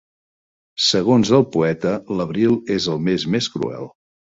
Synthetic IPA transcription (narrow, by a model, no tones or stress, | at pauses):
səɣ̞onzəlˠpuɛt̪ələβɾilˠezəlˠmezmeskɾṵɛ̰lˠ